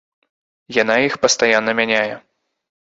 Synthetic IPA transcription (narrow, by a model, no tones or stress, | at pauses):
jan̪aixpɐst̪ajanːɐmʲanʲajɛ